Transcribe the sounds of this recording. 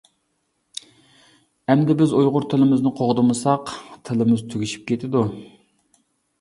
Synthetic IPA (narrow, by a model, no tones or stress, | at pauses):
ɛmd̪ɪbɪzojʁʊɾt̪ʰɪlɪmɪznɪqʰoʁd̪ɨmɨsɑqt̪ʰɪlˠɨmɨzt̪ʰyɡʲiʃi̥p̚kʲet̪ʰɪd̪u